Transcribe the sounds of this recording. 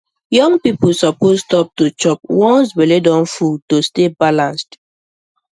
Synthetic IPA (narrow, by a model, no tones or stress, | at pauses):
jɔ̃ŋpipusɔpozstɔp̚tot͡ʃɔp̚wɔ̃nswɛledɔ̃nfutostebalãnst